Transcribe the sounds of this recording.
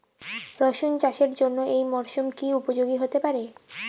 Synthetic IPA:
ɾɔʃund͡ʑaʃeɾd͡ʑonːoejmɔɾʃumkiupod͡ʑoɡiɦot̪epaɾe

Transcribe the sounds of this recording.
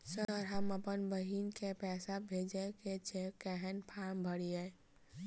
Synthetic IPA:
səɾɦəməpənbəɦiːnkepɛːsabʱeːd͡ʒeket͡ʃekɛɦɛnpʰaːmbʱəɽiɛ

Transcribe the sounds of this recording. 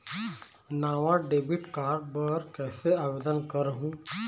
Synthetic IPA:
naʋaɖebiʈkaɾɖbəɾkɛːseabed̪ənkəɾɦũ

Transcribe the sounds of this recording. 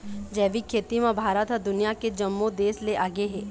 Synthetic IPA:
d͡ʒɛːʋikʰːeːt̪imãbʱaːɾət̪ɦd̪ʊnijaked͡ʒɐmːod̪eːsleʔaːɡeɦɛː

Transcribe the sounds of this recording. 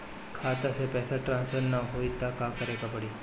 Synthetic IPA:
kʰaːt̪asepɛːsaʈɾãːnspʰəɾnaɦoit̪akakəɾeːkapəɽi

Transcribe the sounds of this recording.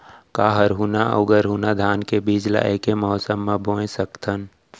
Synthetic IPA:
kaːɦəɾɦuːnaə̰ʊɡəɾɦuːnad̪ʱaːnkebiːd͡ʒla̰ʔekeməɦɔsəmːãbõːẽsəkt̪ʰən

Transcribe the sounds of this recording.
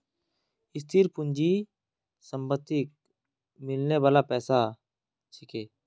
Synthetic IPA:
ɪst̪ʰiɾpʊnd͡ʒi | səmbət̪ːɪk̚ | mɪlneʋaːlapɛːsa | t͡ʃʰikeː

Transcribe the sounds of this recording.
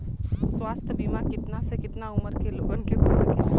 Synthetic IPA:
swaːst̪ʰəbimakɪt̪nasekɪt̪naʊməɾkeloːɡənkeɦosəke

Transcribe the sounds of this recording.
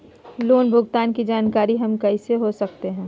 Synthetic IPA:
loːnbʱʊɡt̪aːnkid͡ʒaːnkaːɾiɦɐmkɐɪseɦosɐk̚t̪eɦɛ̃ː

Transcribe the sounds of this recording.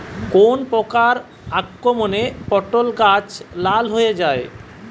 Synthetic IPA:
konpɔkaɾ | akːɾomonepɔʈːolɡat͡ɕlalɦoed͡ʑae

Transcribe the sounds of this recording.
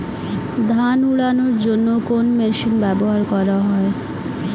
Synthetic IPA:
d̪ʱanuɭanoɾd͡ʑonːokonmeʃinbɛboɦaɾkɔɾaɦɔe

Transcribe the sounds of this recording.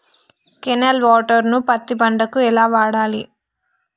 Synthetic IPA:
kenelʋɔːʈɐɾnupɐt̪ːibɐɳɖɐkuɛlaːʋaːɽaːli

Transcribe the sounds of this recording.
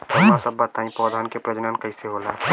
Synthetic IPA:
ɐmasəbːat̪ãːĩpɔːd̪ʱaːnkepɾɐd͡ʒnaːnkəiseɦola̰

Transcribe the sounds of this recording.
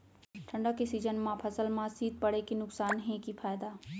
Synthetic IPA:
ʈʰɐ̃ɳɖakesiːzənmãpʰɐsəlmãsiːd̪̚pɐɽekinʊksaːnɦẽkifʰaːjɪd̪aː

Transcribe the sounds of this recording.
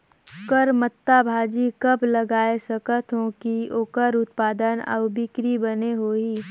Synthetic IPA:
kəɾmət̪ːabʱaːd͡ʒikɐbləɡaːesəkət̪ɦõkioːkəɾʊt̪paːd̪ənə̰wbɪkɾibəneɦoːɦiː

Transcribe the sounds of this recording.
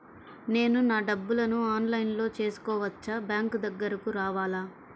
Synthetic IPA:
ne̞ːnunaːɖɐbːulɐnuaːnlɐjnlo̞ːt͡ʃe̞ːsu̥kɔːʋɐt͡ʃːɐbjaːŋkd̪ɐɡːɐɾɐkuɾaːʋaːlaː

